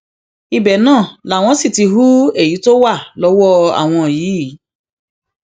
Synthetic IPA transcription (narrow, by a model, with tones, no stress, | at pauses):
i˧bɛ˨nãː˦˨la˨˦˨w̃ɔ̃˧˦si˦˨ti˧ɦu˦e˦˨ji˨˦to˦wa˦˨lɔ˨˦wɔ˦a̰˦˨w̃ɔ̃˧˨jiː˨˦˨